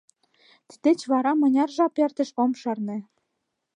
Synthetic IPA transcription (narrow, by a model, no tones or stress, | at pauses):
t̪i̥d̪et͡ɕβɑɾɑmɤ̆nʲɑrʒɑpert̪ɘ̆ʃomʃɤrnĕ